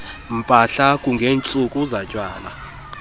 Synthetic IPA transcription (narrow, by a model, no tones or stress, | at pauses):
m̩pʼaɬakʼuŋɡʱeːnt͡sʼukʼuzacʼwaːla